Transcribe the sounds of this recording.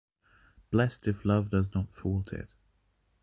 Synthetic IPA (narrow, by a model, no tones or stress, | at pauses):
b̥lɛstɪflʌvdʌznətfɔlˠtʰɪ̰t̚